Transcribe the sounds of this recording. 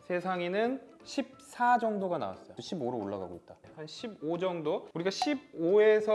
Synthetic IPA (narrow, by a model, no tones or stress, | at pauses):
sʰe̞sʰaŋenɯn | ɕʰip̚s͈ʰad͡ʑʌŋdoɡana̰wa̰s͈ʌj̰ooɕʰiboɾooɭːa̰ɡa̰ɡoit̚t͈ahanɕʰibod͡ʑʌŋdouɾiɡaɕʰib̚oesʰʌ